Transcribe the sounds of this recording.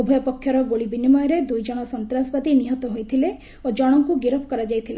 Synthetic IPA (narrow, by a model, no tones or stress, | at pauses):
ubʱɔjɔpɔkʰːjɔɾɔɡoɭibinimɔjɔɾed̪ujd͡ʒɔɽ̃ɔsɔnt̪ɾasbad̪iniɦɔt̪ɔɦojt̪ʰile | od͡ʒɔɽ̃ɔŋkuɡiɾɔpʰɔkɔɾad͡ʒajt̪ʰila